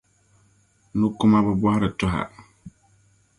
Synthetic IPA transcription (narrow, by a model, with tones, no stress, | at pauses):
nu˦kʊ˦ma˦bɛ˦bɔ˦ha˦ɾɨ˨tʊ˦ɦa̰˨